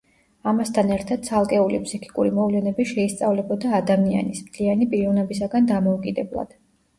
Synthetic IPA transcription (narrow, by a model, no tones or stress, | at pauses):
amast̪ʰanɛɾt̪ʰad̪̥̚t̪sʰalˠkʼɛulipʰsikʰi̥kʼuɾimɔvlɛnɛbiʃɛist̪sʼavlɛbɔd̪aːd̪amia̰nismt̪ʰlianipʼiɾiɔnɛbisaɡand̪amɔukʼid̪ɛblˠa̰d̪̥